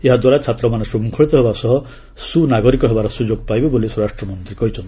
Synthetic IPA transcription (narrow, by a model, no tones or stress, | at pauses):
eɦad̪waɾat͡ʃʰat̪ɾɔmanesumukʰɔɭit̪ɔɦebasɔɦɔ | sunaɡɔɾikɔɦebaɾɔsud͡ʒoɡ̚pajbebolisuɾaʃʈɾɔmɔnt̪ɾikɔɦit͡ʃʰɔnt̪